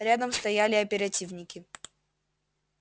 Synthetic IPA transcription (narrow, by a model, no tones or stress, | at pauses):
ɾʲad̪əmst̪ɐjalʲɪɐpʲɪɾɐtʲivnʲɪkʲɪ